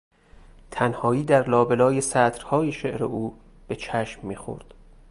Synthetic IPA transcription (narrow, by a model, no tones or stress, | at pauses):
t̪ʰænhɒːiːd̪æɾlɒːbelɒːjesæt̪ɾhɒːjeʃeʔɾḛuː | b̥e̞t͡ʃʰæʃmːiːxo̰ɾd̪̥